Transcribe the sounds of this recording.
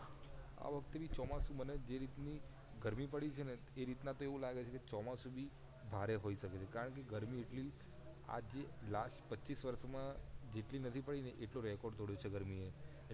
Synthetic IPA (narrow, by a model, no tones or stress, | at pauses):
a̰ʋəkʰt̪eʋit͡ʃɔmasũməned͡ʒeɾit̪ni | ɡəɾmipəɽit͡ʃʰene | eɾit̪nat̪oeʋũlaɡet͡ʃʰeket͡ʃɔmasubʱi | bʱaɾeɦoiʃəket͡ʃʰekaɾəɳk̬eɡəɾmieʈli | a̰d͡ʒelasʈpətːʃisʋəɾʃmãd͡ʒeʈlinət̪ʰipəɽineʔeʈloɾɛkɔɾɖt̪oɽjot͡ʃʰeɡəɾmie